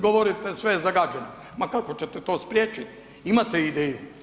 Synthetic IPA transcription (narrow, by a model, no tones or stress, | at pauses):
ɡoʋoɾit̪esʋejezaɡaːd͡ʒeno | makako̞t͡ɕet̪ɛt̪o̞ːspɾjeːt͡ʃit̪ | imat̪eid̪eːju